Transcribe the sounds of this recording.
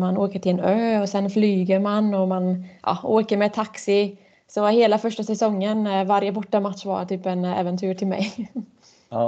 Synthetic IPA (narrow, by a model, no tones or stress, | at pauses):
manoːkəʈʰɪlɛnøːɔsɛnflyːɡəɾmanɔmanʔɑ̰oːkəɾmɛːt̪ʰaksɪ | sɔheːlafœʂʈasɛsɔŋːənvaɾjəbɔʈːamat̪ʂva̰ɾt̪ʰyːpɛnɛ̰vɛnt̪ʰyːɾʈʰɪlmɛ̰j